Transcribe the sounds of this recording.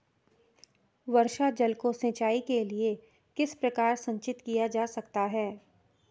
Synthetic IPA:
ʋɐɾʃad͡ʒɐlkosẽːt͡ʃaːikelie | kɪspɾɐkaːɾsɐ̃ɲt͡ʃɪt̪kijad͡ʒaːsɐkt̪aɦɛː

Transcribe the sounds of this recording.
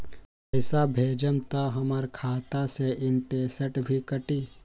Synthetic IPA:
əɪsabʱeːd͡ʒəmt̪aɦəməɾkʰaːt̪aseʔɪnʈeːsəʈbʱikəʈiː

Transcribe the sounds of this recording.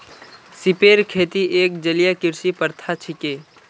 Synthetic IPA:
sɪpeːɾkʰeːt̪iʔeːk̚d͡ʒəlijakɪɾsipəɾt̪ʰat͡ʃʰɪkeː

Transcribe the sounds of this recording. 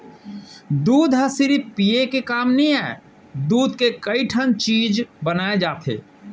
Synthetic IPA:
d̪uːd̪ʱɦəsɪɾipijekekaːmnəĩɛː | d̪uːd̪kekəiʈʰənt͡ʃiːd͡ʒbənaːed͡ʒaːt̪ʰḛː

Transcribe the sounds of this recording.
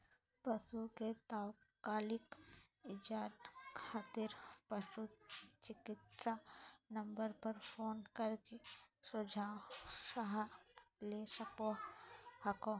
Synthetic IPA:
pɐsuket̪aːwkaːlɪk | ɪd͡ʒaːʈkʰaːt̪iɾpɐʃut͡ʃɪkɪt̪sanɐ̃mbəɾpɐɾpʰoːnkɐɾkesʊd͡ʒʱaːwsaɦlesɐkohɐkõ

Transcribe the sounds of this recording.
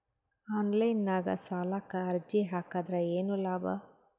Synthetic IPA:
aːnlɐjnːaːɡɐ̰saːlaːkːɐɐɾd͡ʒiɦaːkaːd̪ɾɐeːnulaːbɐ

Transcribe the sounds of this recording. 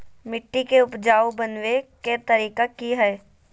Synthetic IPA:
mɪʈːikeʊpd͡ʒaːobənweket̪ɐɾiːkakiɦɛː

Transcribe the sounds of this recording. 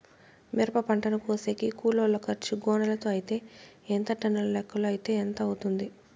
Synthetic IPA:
miɾɐpɐpɐɳʈɐnɐkuːsekikuːloːlokɐɾt͡ʃiɡɔːnɐlɐt̪oːɐjit̪e̞ː | ent̪ɐʈɐnɐlɐlɛkːɐloːɐjit̪e̞ːent̪ɐut̪und̪i

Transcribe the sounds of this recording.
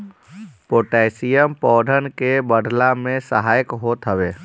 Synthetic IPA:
poʈaɪsijəmpɔːd̪ʱənkebəd̪ʱlamẽsəɦaːjəkɦot̪ɦəbe

